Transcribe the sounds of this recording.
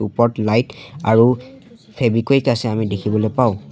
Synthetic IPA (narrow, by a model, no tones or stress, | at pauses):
upɔɹtlajta̰ɹu | pʰebikojkasɛamidekʰibɔlɔjpaʊ̃